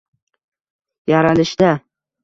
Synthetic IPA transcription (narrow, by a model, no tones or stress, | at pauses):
jaɾalɪʃd̪a